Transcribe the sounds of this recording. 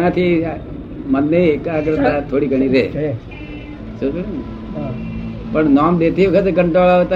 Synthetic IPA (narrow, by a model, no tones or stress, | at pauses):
nat̪ʰi | mənːeːkaɡɾət̪at̪ʰoɽiɡʱəɳ̃iɾe | so | pəɳnɔmd̪et̪ʰiʋəkʰət̪ekəɳʈɾolaʋet̪a